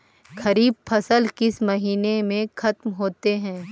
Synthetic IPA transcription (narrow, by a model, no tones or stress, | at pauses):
xɐɾiːb̚fʰɐsəlkɪsmɐɦiːnemẽxɐt̪mɦoːt̪eɦɛ̃ː